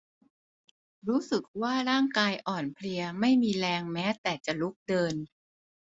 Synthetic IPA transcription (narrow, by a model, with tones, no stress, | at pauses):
ɾuː˦˥sɯ˨˩k̚waː˥˩ɾaː˥˩ŋkaː˧jʔɔː˨˩npʰli˧ɐma˥˩jmiː˧lɛː˧ŋmɛː˦˥t̪ɛː˨˩t͡ɕa˨˩lu˦˥k̚dɤː˧n